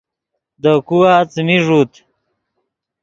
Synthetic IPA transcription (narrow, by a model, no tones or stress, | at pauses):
d̪əkuwat͡smiʐut̪